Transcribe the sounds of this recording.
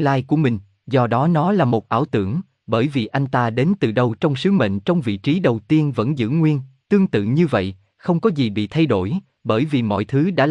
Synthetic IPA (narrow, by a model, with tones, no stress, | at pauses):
laː˧jku˧˩əmï˨˩ŋ̟ | zɔ˧ɗɔ˨˦nɔ˨˦laː˨˩mo˨˩t̚ʔaː˧˩wt̪ɨ̰˧˩əŋ | ɓəː˧˩jvi˨˩ʔa˧jŋ̟t̪aː˧ɗe˨˦nt̪ɨ˨˩ɗə˧wt͡ɕɔ˧wŋ͡msɨ˨˦mə̰˧˨ŋ̟t͡ɕɔ˧wŋ͡mvḭ˧˨t͡ɕi˨˦ɗə˨˩wt̪i˧ənvə̰˧˥nzɨ̰˧˥ŋwi˧ənt̪ɨ˧əŋt̪ɨ̰˧˨ɲɨ˧və̰˧˨j | xə˧wŋ͡mkɔ˨˦zi˨˩ɓḭ˧˨t̪ʰa˧jɗo˧˩j | ɓəː˧˩jvi˨˩mɔ̰˧˨jt̪ʰɨ˨˦ɗa̰ː˧˥